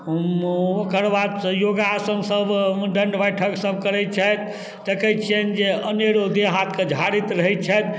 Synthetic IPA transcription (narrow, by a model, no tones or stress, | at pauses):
okəɾbat̪joɡasəŋsəbɖəɳɖbəjʈʰəksəb̚ʱkəɾɛt̪̚t͡ʃʰɛt̪ | t̪ekʰət͡ʃʰɛnd͡ʒeəneɾod̪eɦat̪ked͡ʒʱaɾit̪ɾəɦɛt̪̚t͡ʃʰɛt̪